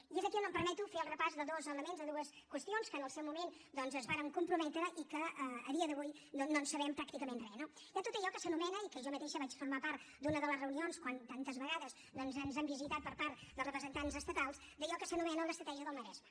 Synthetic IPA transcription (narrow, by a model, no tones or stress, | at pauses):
iezðəkinəmpəɾmɛt̪ufeəlˠrəpazðəðɔzələmenzðəðuəs | kwəst̪ionskənəlˠsɛwmumen | d̪ɔnzəzβaɾəŋkumpɾumɛt̪ɾəʔikəəːðiəðəβujnonːonsəβɛmpɾak̚t̪ikəmenrɛno | iət̪ot̪əʎɔkəsənumɛnəikəʒɔmət̪eʃəβat͡ʃfuɾmapaɾt̪̚d̪unəðələzrəunionskwant̪ant̪əzβəɣaðəz | nɔnzənzambizit̪at̪̚pəɾpaɾt̪̚d̪əlˠzrəpɾəzənt̪anzəst̪ət̪alˠz | d̪əʎɔkəsənumɛnəlˠəst̪ɾət̪ɛʒiəðəlˠməɾɛzmə